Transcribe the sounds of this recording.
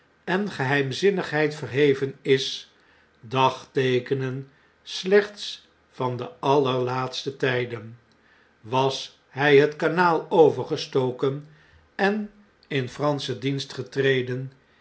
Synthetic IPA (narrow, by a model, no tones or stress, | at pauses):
ɛnχəɦɛjmzɪnəχɦɛjtfərɦejvənɪs | dɑχtejkənən | slɛχts | fɑndəɑləɹlaːtstətɛjdən | ʋɑs | ɦɛjɦətkanaːlˠowvəɹχəstowkən | ɛn | ɪnfrɑnsədinstχətrejdən